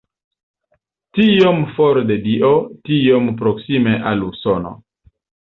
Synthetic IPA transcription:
tijomfoɾdediʔotijomp̬ɾoksimeʔalusono̰

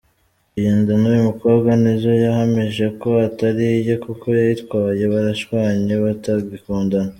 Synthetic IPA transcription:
ijeːndanujumuko̞ːbɡwanizo̞jahamiʒe̞ko̞ataɾijokukʰo̞jajitwaːje̞βaɾaʃwaːɲeβataɡikuːndana

